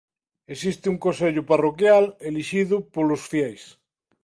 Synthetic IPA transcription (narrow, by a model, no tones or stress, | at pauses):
esist̪ɪuŋkõnseʎʊparokjaleliʃiðʊpolosfjɛjs